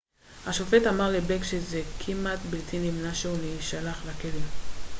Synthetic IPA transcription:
haʃofetamaʁlebekʃezekʰimat̪bilt̪ʰinimnaʃeuniʃalaχlakelim

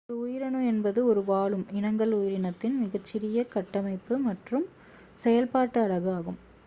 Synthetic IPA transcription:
ɔɾɯʊjɪɾɐnɯɛnbɐðɯɔɾɯʋaːɭɯmɪnɐŋɡɐɭʊjɪɾɪnɐt̪ːɪnmɪɣɐt͡ʃːɪɾɪjɐkɐʈːɐmɐɪpːɯmɐʈrɯm | sɛjɐlpaːʈːɯɐɻɐɣɯaːɣɯm

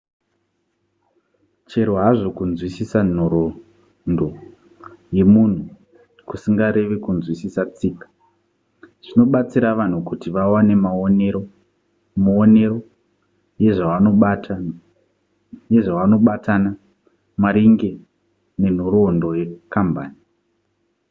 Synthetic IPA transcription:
t͡ʃe̞ɾoɦaʐo̞kunzwisisan̤oɾo | ndo̞ | je̞mun̤u | kusiŋɡaɾe̞ʋe̞kunzwisisat͡siːkḁ | ʐ̥ino̞ɓat͡siɾaʋan̤ukutiʋawanemaneo | mone̞ɾo̞ | je̞ʐaʋanoɓatʰa | je̞ʐaʋano̞ɓatʰana | maɾiŋɡe̞ | ne̞n̤oɾoːndoje̞kamba̰ːni

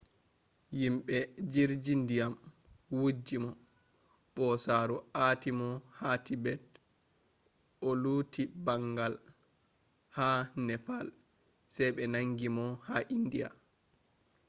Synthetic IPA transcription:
jimɓɛd͡ʒiɾd͡ʒindijam | wud͡ʒːimɔ | ɓɔsaːɾuatimɔhatibɛd̚ | ɔluːtibaŋɡal | hanɛpal | sɛjɓɛnaŋɡimɔhaʔindija̰

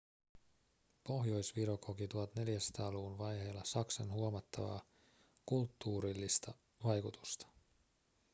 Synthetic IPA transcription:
po̞ɦjo̞jsʋiɾokokit̪uɦɑt̪ne̞ljæst̪ɑːluunʋɑjɦejlːɑsɑksɑnɦuomɑt̪ːɑʋɑ̰ː | kult̪ːuːɾilːist̪ɑ | ʋɑjkut̪u̥st̪ɑ̥

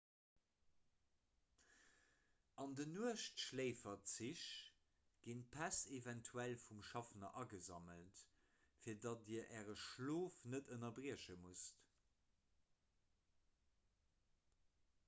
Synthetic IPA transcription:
ɑndənuəʃtʃleɪfɐtt͡siɕ | ɡ̥inpʰæsevæntʰuælfumʃɑfnɐʔɑɡəzɑməlt | fiːɐdɑt̚iːɐʔæːʁəʃloːfnətʰənɐbʁiəʃəmust

